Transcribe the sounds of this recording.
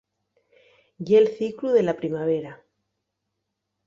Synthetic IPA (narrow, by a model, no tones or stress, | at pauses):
jelθikluðe̞lapɾimaβ̞e̞ɾa